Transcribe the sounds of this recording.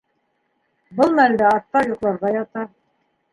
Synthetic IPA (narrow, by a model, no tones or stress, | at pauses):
bɤlˠmænd̪æɑθt̪ɑjuqlˠɑɾʁɑjɑt̪ɑ